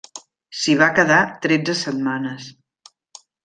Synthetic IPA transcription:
siβ̞akəðat̪ɾɛd͡zəsət̪manəs

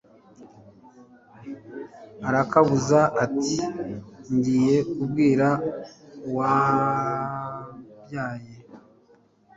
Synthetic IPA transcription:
aɾakaβuzaʔːtiɲɟiːje̞ub̚ɡiːɾa | wa | bjaːje

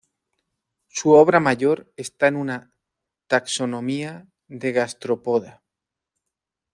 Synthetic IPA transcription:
suoβɾamaʝo̞ɾe̞st̪aenuna | t̪akso̞nõ̞mia | ðe̞ɣast̪ɾopoða

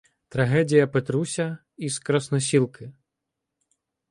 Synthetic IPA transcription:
t̪ɾɐɦɛdʲijɐpet̪ɾusʲɐ | iskɾɐsnɔsʲilˠkɪ

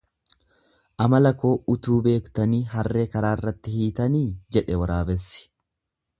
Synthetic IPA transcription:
ʔɐmɐlɐko̞ːʊt̪uːbe̞ːkt̪ɐniːɦɐrːe̞ːkɐɾaːɪrːɐt̪ːɪhiːt̪ɐniːd͡ʒɛᶑɛwɐɾaːbɛsːɪ̥

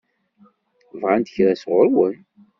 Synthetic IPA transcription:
vʁant̪əçɾæsʁʊɾwən

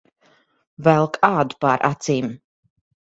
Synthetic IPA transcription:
vɛlˠkʰaːd̪u̥pa̰ɾʔa̰t̪siːm

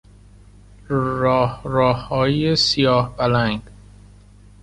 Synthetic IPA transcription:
ɾɒːhɾɒːhɒːjesijɒːhbælæŋɡ

